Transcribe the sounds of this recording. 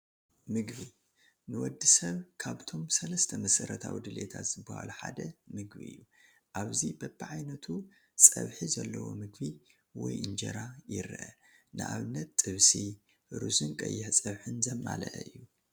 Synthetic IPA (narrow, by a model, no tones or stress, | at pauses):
mɨɡbi | nɨwɔd̪ːisɐβkʰaβt̪ʰo̞msɐlɐst̪ʰɐmɐsɐɾɐt̪ʰawid̪ɨlet̪ʰat̪z̥ɨbːɐha̰luħad̪ɐmɨɡbiʔɨ̰jːu | ʔaβzibɐbɨʕajnɐt̪ʰu | sʼɐβħizɐlːɐwo̞̰mɨɡbi | wɔjʔɨnd͡ʒɐɾajɪɾʔɐ | nɨʔaβɨnːɐt̪ːʼɨβsi | ɾusɨnkʼɐjːɪħsʼɐβħɨnzɐmːalɐʔɨjːu